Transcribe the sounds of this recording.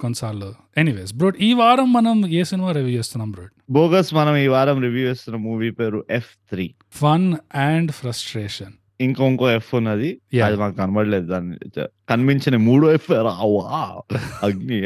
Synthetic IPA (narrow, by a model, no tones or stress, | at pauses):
konːɐsaːɾlu | eniʋeːsbɾoːɖiːʋaːɾɐmːɐnɐmeːsinimaːɾiʋjuːt͡ʃeːst̪unːaːmbɾoːʈboːɡɐsmɐnɐmiːʋaːɾɐmɾiʋjuːeːst̪unːɐmuːʋiːpeːɾuʔepʰt̪ʰɾiː | pʰɐnaːɳɖpʰɾɐsʈɾeːʂɐn | iŋkoŋkoːefʰunːɐd̪ijɛɐd̪imaːkukɐnɐbɐɽileːd̪ud̪aːnːḭkɐnmiɲt͡ʃɐnɐmuːɽuːefeːɾaːwaːɐɡni